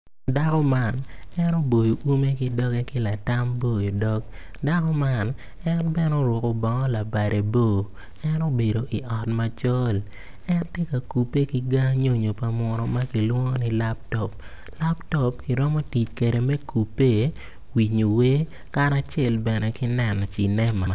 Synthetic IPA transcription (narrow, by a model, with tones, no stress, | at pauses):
da˦kɔ˦ma˦˨nɛ˦nɔ˦bo˨jo˨ʔu˦me˦kɪ˦dɔ˦ɡɛ˦kɪ˦la˨ta˦mbo˦˨jo˨dɔ˦k | da˦kɔ˦ma˦˨n | ɛ˦nbɛ˦no˦ɾʊ˨ko˨bɔ˨ŋɔ˦la˨ba˨ɾe˨bo˦˨ | ɛ˦no˦be˨do˨ʔi˨ʔɔ˨tma˨t͡ʃɔ˦l | ɛ˦ntje˦ka˨ku˨pːe˦ki˦ɡa˦ɲo˦ɲo˨pa˨mɔ˨ɾɔ˦ma˦ki˨lwɔ˦ŋɔ˦ni˦la˦p̚tɔ˨p̚ | la˦ptɔ˦p̚ki˨ɾɔ˦mɔ˦ti˨t͡ʃke˨de˨mɛ˦ku˨pːe˦ | wi˨ɲo˨we˦ | ka˦ɾa˨t͡ʃɛ˦˨lbɛ˨nɛ˨kɪ˦nɛ˨n˨t͡ʃi˨nɛ˦ma˨